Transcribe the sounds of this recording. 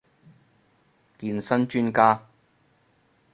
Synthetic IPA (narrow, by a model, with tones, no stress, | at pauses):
kiː˨nsɐ˥nt͡ʃyː˥nkaː˥